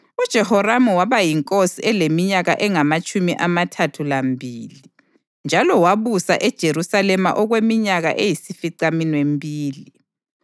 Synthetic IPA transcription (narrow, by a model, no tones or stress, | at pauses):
ud̥ʒ̥ʱɛhɔramuwaβajiŋkʼosiɛlemiɲaɣaʔɛŋamat͡ʃʼumiʔamatʰatʰulambʱiːli | nd͡ʒʱalɔwaβusa̰ʔɛd̥ʒ̥ʱeɾusalɛma̰ʔɔɣwemiɲaɣa̰ʔejisifiǀaminwembʱiːli